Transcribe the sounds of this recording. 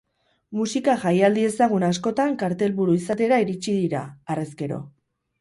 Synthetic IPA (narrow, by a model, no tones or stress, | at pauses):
musikaʝajald̪ie̞saɣ̞unasko̞t̪aŋkaɾt̪e̞lβuɾuisat̪e̞ɾaiɾit͡ʃiðiɾaːreske̞ɾo̞̰